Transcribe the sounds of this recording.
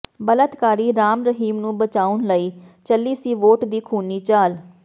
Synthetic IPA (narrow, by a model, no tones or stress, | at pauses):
bələt̪kaːɾiːɾaːmɾəɦiːmnũːbət͡ʃaːʊnləiːt͡ʃəlːiːsiːʋoːʈd̪iːkʰuːniːt͡ʃaːl